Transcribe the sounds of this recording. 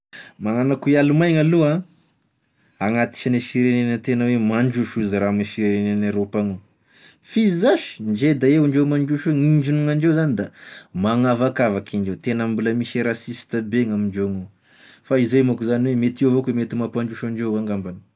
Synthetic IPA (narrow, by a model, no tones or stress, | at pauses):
maŋanakuialumajŋaluã | aŋat̪i̥ʃanifiɾenenət̪enəwemaɳd͡ʒuʃuziɾamifiɾeɾenenaɾopaŋu | fizaʃi̥nd͡ʒed̪aeɳɖ͡ʐewmaɳd͡ʒuʃeŋiɳd͡ʒunuŋaɳɖ͡ʐewzanid̪amaŋavakavakʰiɳd͡ʒewt̪enambuləmiʃeɾasist̪əbeŋamiɳd͡ʒeŋo | faizejmakuzaniwemet̪iavokemet̪imapaɳd͡ʒuʃaɳd͡ʒewaŋɡambanə̥